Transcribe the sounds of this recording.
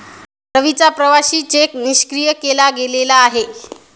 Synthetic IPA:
ɾəʋit͡sapɾəʋaɕiːt͡ɕekniɕkɾijəkelaɡelelaːɦe

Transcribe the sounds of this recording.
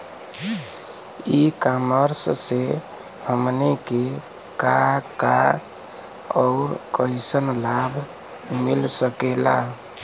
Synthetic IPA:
ikaməɾsse | həmneke | kaka | ɔʊɾkəɪsənlabʱ | milsəkela̰

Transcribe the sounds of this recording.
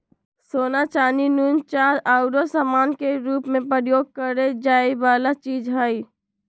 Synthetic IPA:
soːnat͡ʃaːninunt͡ʃaːɾaʊɾosamaːnkeɾuːpmẽpɾəɾjoːɡ̚kəɾed͡ʒaːeʋaːlat͡ʃiːd͡ʒɦəi

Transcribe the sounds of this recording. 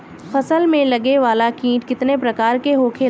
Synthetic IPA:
fɐsəlmẽlɐɡeʋaːlakĩːʈkɪt̪nepɾɐkaːɾkeɦoːkʰe

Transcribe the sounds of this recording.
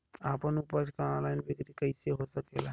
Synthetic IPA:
aːpənupət͡ʃkaɔ̃nlaːɪnbɪkt̪ikəiseɦosəkela

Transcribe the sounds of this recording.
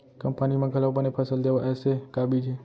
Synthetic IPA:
kəmpənimãɡʱəlapənepʰəsəld̪eʋaʔesekabit͡ʃʰe

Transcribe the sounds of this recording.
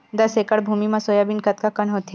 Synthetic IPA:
d̪ɐsekəɽbʱuːmimãsoːjabɪnkɐt̪̚kakɐnɦoːt̪

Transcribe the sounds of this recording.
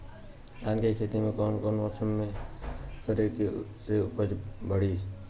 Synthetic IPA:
d̪ankekʰet̪imẽkoːnkonɔsəmːe | kəɾekeseʊpəd͡ʒbʱəɽi

